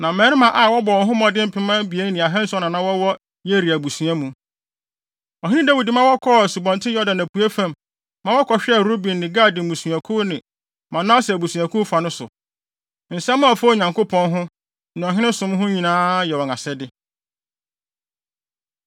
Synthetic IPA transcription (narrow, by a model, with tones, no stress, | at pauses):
nã˨mɛ̃˨˦ɾɪ̃˦mã˨ʔa˨wɔ˦bɔ˨wɔ̃˨nɦʊ̃˦mɔ̃˨dɪ̃˦m̩˦pʰɪ˦mã˦bi˨e˦ŋ˦nɪ̃˨a˨ɦɛ̃˦n̩˦sɔ˦nã˨nã˦wɔ˦wɔ˦ | je˦ɾi˨æ˨bu˨sũ˨a˦mũ˨ | ɔ˨ɦɪ̃˦nɪ̃˦da˦wi˨di˨mã˦wɔ˦kʰɔ˦˨su˨bɔ̃˨ntʰɪ̃˦jɔ˦dã˨næ˨pʰu˨e˦fã˨mː | ã˨˦wɔ˦kʰɔ˨ɕᶣɛ˦˨ɾo˦bĩ˨nːɪ̃˨ɡaː˦˨di˨bũ˨sũ˨a˨kʰu˦nɪ̃˨ | mã˨nã˦ɔ˦sɛ˨æ˨bu˨sũ˨æ˨kʰʊ˦fa˨nʊ̃˦sʊ̰˨ | n̩˨sɛ̃˦mã˦ɔ˨fo˦ɲã˨ŋkʊ˦pʰɔ̃˦nɦʊ̃˦ | nɪ̃˨ɔ˨ɦɪ̃˦nɪ̃˦sʊ̃˦mɦʊ̃˦ɲĩ˨nãː˦jɛ˨wɔ̃˨ŋa˨sɛ˦dɪ˦